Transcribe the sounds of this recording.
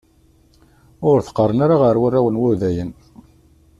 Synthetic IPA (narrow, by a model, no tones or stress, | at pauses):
ʊɾθə̥qːərˤənaɾaʁəɾwərːæwənwʊðæjən